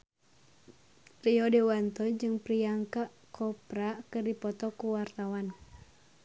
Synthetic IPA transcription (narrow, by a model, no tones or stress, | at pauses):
pɾiɔdewant̪ɔd͡ʒɨŋpɾiaŋkaʔ | kʰɔpɾakɨrdipɔt̪ɔkuwart̪awan